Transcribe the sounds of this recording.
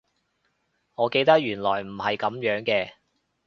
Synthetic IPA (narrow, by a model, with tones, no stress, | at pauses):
ŋɔː˨˧ke˧jt̪ɐ˥k̚jyː˨˩nlɔː˨˩jm̩˨˩hɐ˨jkɐ˨˥mjœː˨˥ŋkɛː˧